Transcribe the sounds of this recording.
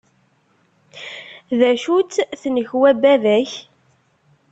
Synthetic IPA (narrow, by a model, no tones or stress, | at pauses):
ðæʃut͡s̪θnəçwæbæðæç